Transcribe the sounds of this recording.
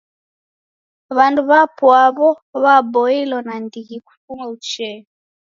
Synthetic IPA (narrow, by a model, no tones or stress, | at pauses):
βanduβapwaβɔ | βabɔilɔnandiɣiku̥fumaut͡ʃɛɔ